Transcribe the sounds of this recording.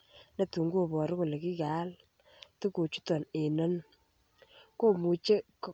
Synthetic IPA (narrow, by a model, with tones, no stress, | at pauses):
nɐ˨tu˨ŋɡu˦˨bɔ˨ɾɪ˦kʊ˨le˨ki˦ka˨˦l | tu˦ko˨t͡ʃu̥˦tɔ˨ne˨nɔ˦n | ko˦mu˨t͡ʃe˦k